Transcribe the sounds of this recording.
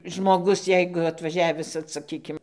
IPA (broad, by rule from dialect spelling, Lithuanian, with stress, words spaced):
ʒmoːˈɡʊs ˈjɛɪɡʊ ɐtʋɐˈʒʲæːʋʲɪs ʋɐt sɐˈkʲiːkʲɪm